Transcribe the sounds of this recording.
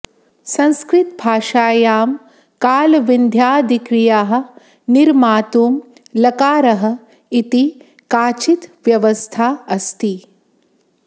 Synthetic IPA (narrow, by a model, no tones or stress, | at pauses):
sɐ̃nskɾɪt̪bʱaːʃaːjaːm | kaːlʋind̪ʱjaːd̪ikɾijaːɦɐ̆ | niɾmaːt̪uːm | lɐkaːɾɐɦɐ̆ | it̪i | kaːt͡ʃit̪ʋjɐʋɐst̪ʰaːɐst̪i